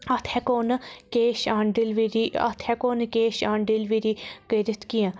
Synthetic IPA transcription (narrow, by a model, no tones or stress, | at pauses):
ɐt̪ʰɛːkoːnkeːʃãːɳɖilʋiɾiə̰t̪ʰɛ̃ːkoːnkeːʃaːɳɖilʋiːɾiːkəːɾət̪ʰkijãː